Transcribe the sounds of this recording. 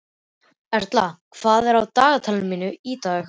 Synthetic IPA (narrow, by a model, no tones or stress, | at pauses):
ɛɾ̥t̪lakʰv̥aːðɛɾawt̪aːɣat̪ʰɛlnmiːnʏiːt̪aːx